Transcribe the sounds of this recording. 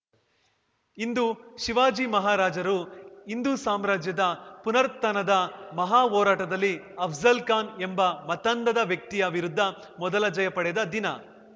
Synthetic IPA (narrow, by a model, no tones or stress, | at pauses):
ind̪uʃiʋaːd͡ʒimɐɦaːɾaːd͡ʒɐɾuind̪usaːmɾaːd͡ʒjɐd̪ɐpunɐɾt̪ːɐnɐd̪ɐmɐɦaːɦɔːɾaːʈɐd̪ɐlːiɐbʰzɐlkaːnembɐmɐt̪ɐnd̪ɐd̪ɐʋjɐk̚t̪ijɐʋiɾud̪ʱːɐ | mɔd̪ɐlɐd͡ʒɐjɐpɐɽɛd̪ɐd̪inɐ